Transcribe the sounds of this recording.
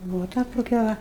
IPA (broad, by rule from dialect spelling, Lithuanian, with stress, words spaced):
ˈbʊʋoː ˈtɐ toːˈkʲɛ ˈʋɐ